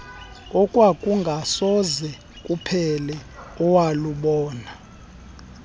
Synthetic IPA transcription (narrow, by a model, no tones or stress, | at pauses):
ɔkʼwakʼuŋɡʱasɔzɛ | kʼupʰɛlɛɔwaluɓɔːna